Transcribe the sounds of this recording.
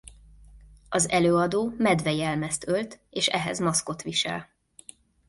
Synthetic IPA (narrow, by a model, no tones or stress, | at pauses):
ɒzɛløːɒd̪oːmɛd̪vɛjɛlmɛst̪ølt̪eːʃɛɦɛ̰zmɒsko̞t̪ʋiʃɛ̰l